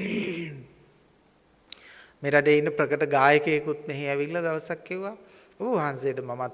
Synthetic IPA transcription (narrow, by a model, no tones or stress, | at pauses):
meɾaɖəinːəpɾəkəʈəɡaːjəkəekut̪̚meɦeæʋilːɐd̪aʋəsakːeʋa | obəʋaɦansejəʈəmamat̪